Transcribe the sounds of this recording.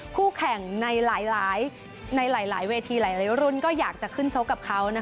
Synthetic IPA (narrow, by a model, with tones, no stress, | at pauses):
kʰuː˥˩kʰɛ˨˩ŋna˧jlaː˩˦jlaː˩˦j | na˧jlaː˩˦jlaː˩˦jweː˧t̪ʰiː˧laː˩˦jlaː˨˦wɾu˧˥˩nkɔː˥˩jaː˨˩k̚t͡ɕa˨˩kʰɯ˥˩nt͡ɕʰo˦˥kːa˨˩p̚kʰa˦˥wna˦˥